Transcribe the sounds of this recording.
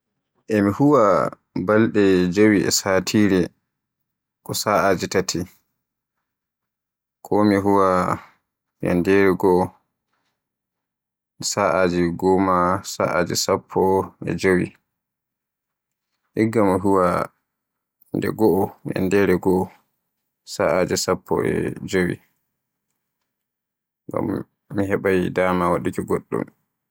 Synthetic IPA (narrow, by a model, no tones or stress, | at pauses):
ʔɛmihuwa | balɗɛd͡ʒowiʔɛ̰satʰiɾɛ | kɔsaʔad͡ʒitatʰi | kʰɔmiɦuwa | ja̰ndɛɾɛɡɔʔː | saʔad͡ʒiɡɔmasa̰ʔad͡ʒɛsapʰːɔɛ̰d͡ʒowi | ʔiɡːamaɦuwa | ndɛ̰ɡɔʔːja̰ndɛɾɛɡɔː | saʔad͡ʒɛsapʰːɔ̰ɛ̰d͡ʒowḭ | ŋɡa̰m | miɦɛɓajdaːmawaɗikiɡɔɗːṵm